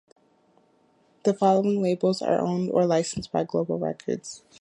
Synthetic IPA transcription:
ðɨfɑlˠoʊɪ̃ŋleɪbl̩ˠzə̰˞ʔõ̰ʊ̃ndə̰˞laɪsn̩sb̥aɪɡloʊbl̩ˠɹɛ̰kʰə̰˞dz̥

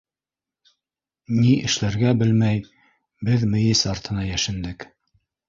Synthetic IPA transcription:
niʔɘ̆ʃlæɾɡæbɘlmæj | bɘðmɘ̆jɘsɑɾt̪ɤ̆nɑjæʃɘ̆nd̪ɘk

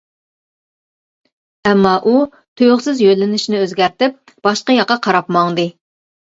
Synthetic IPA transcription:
ɛmːɑʔu | t̪ʰøjʁsɪzjølːɪnɪʃnɪøzɡʲæɾt̪ɪp̚ | b̥ɑʃqɑjɑqːɑqʰɑɾɑpmɑŋd̪ɨ

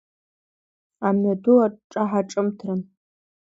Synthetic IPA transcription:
amɥaduaʈ͡ʂʼaħaʈ͡ʂʼɨmtʰrɨn

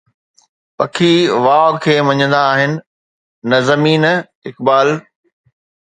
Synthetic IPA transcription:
pɐkʰiʋaːkʰeːmɐ̃ɲə̃nd̪aːɦɪnɪ̆ | nɐzɐmiːn | ɪkbaːl

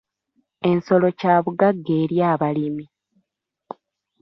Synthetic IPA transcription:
e̞nso̞lo̞caːβuɡaɡːe̞ːɾjaːβalimi

